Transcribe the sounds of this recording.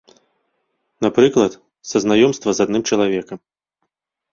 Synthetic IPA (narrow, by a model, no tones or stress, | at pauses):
napɾɨklˠɐt̪ | sɐznajɔmst̪vɐzad̪nɨmt͡ʂɐlˠavʲɛkɐm